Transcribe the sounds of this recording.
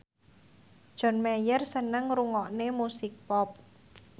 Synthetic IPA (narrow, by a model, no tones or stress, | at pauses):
d̥ʒ̥ɔ̤nmejərsənəŋruŋɔʔnemusɪk̚pɔp̚